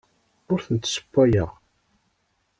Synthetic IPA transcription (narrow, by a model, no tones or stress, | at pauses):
ʊɾθənt̪sə̥pːæjəʁ